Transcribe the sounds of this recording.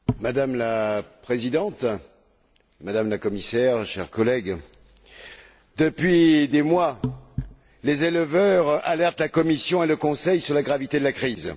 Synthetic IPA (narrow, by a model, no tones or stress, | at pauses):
mad̪amlapχezid̪ɑ̃t̪ | mad̪amlakɔmisɛʁʃɛ̰ʁkɔlɛɡ | d̪əpɥid̪emwa | lezelvœʁalɛʁt̪lakɔmisjɔ̃eləkɔ̃sɛjsyʁlaɡʁavit̪ed̪əlakχiz